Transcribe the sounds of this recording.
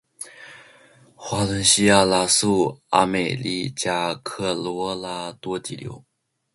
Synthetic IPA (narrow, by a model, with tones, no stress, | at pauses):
xwa˧˥lə˧˥nɕi˥a˥˩la˧˥su˥˩a̰˥me˨˩ɪlḭ˥˩t͡ɕja˥kʰɤ˥˩lwɔ˧˥la˧˥t̪wɔ˥t̪i˨˩ljo̰˧˥ʊ